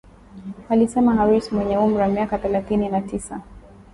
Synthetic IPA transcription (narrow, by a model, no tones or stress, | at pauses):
alisɛmahaɾismwɛɲɛum̩ɾiwamiakaθɛlaθininatisa